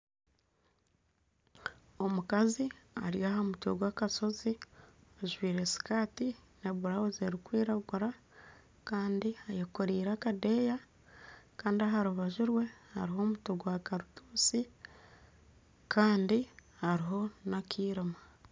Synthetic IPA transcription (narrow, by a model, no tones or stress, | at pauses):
o̞mukazia̰ɾjaːɦamutoɡwaːkaso̞ziaʒwiːɾe̞si̥kaːtineβuɾawoze̞ɾikwiːɾaɡuɾa | kaːndiajokoɾiːɾakadeja | kaːndiaɦaɾuβaʒiɾwe̞ha̰ɾiɦo̞ːmutoɡwakaɾutuːsi | kʰaːndihaɾiɦo̞nakʰiːɾima